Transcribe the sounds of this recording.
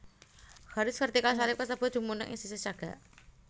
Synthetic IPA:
haɾɪsfərt̪ikals̬alɪpkəsəb̥ə̤d̥̪ṳmunə̰ʔɪ̰sisəst͡ʃaɡ̥a̰ʔ

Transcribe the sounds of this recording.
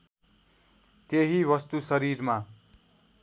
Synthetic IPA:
t̪eɦiwʌst̪usʌɾiɾma

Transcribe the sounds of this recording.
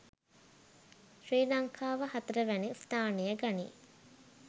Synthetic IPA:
ʃɾiːlaŋkʰaːʋəhat̪əɾəʋænist̪aːnejəɡanḭ

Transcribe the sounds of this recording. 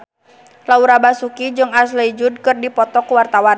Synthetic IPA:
lauɾabasukid͡ʒɨŋasləd͡ʒud̚kɨrdipɔt̪ɔkuwart̪awan

